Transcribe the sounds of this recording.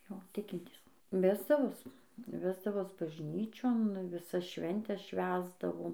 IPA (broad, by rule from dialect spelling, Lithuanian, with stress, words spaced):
ˈjoː ˈtʲɪkʲɪnʲtʲiːs ˈʋʲæːzdɐʋoːs ˈʋʲæːzdɐʋoːs bɐʒʲˈnʲiːt͡ʃʲoːn ʋʲɪˈsɐs ˈʃʲʋʲɛnʲtʲɛs ˈʃʲʋʲæːzdɐʋoːm